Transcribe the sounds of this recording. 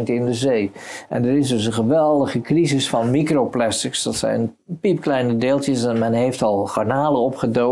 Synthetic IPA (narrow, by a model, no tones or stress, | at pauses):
ntɪndəzejʔɛ̰ndəɾɪsdɵsə̃nχəʋɛlˠdəχəkrizɪsfɑnmikrowplɛstɪksd̥ɑtsɛ̰jn | pipklɛjnədeːlˠtəsɛnmɛnɦejftɑlˠχɑɹnaːləɔpχədo